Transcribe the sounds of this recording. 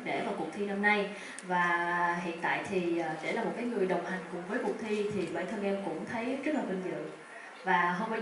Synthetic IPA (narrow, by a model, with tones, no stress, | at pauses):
ɗḛ˧˩vaː˨˩wkʊ˨˩k̚t̪ʰi˧na˧mna˧j | vaː˨˩ɦḭ˧˨ənt̪a̰ː˧˨jt̪ʰiː˨˩˨ɗe˧˩laː˨˩mo˨˩t̚kaː˨˦jŋɨ˨˩əjɗə˨˩wŋ͡mha˨˩jŋ̟kʊ˨˩ŋ͡mvəː˨˦jku˨˩k̚t̪ʰi˧t̪ʰi˨˩ɓə̰ː˧˩t̪ʰə˧ŋʔɛ˧mkʊ̰˧˥ŋ͡mt̪ʰə˨˦jzə˦˥laː˨˩kə˧nzɨ̰˧˨ | vaː˨˩ɦə˧waː˧˦